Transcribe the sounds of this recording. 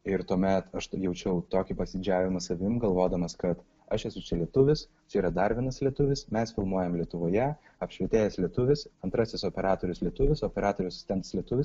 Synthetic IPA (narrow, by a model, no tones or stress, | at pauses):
ɪɾt̪uɔmʲɛt̪ɐʃjɛʊt͡ʃʲɛʊt̪oːkʲiːpɐsʲɪd͡ʒʲæːʋʲɪmɐsɐʋʲɪmɡɐlˠʋoːd̪ɐmɐskɐt̪ | ɐʃɛsʊt͡ʃʲɛlʲiɛt̪ʊʋʲɪs | t͡ʃʲɛiːɾɐd̪ɐɾʋʲiɛnɐslʲiɛt̪ʊʋʲɪsmʲɛsfʲɪlˠmuɔjɛmlʲiɛt̪ʊʋoːjɛ | ɐpʃʲʋʲɛt̪ʲeːjɛslʲiɛt̪ʊʋʲɪsɐnt̪ɾɐsʲɪsoːpʲɛɾɑːt̪oːɾʲʊːslʲiɛt̪ʊʋʲɪsoːpʲɛɾɑːt̪oːɾʲʊːɐsʲɪ̥sʲt̪ʲɛnt̪ɐslʲiɛt̪ʊʋʲɪs